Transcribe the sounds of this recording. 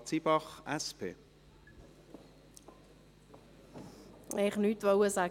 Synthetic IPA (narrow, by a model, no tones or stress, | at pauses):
t͡sibɑχɛspʰḛː | ɛχnyt̪ʋɔwəsaː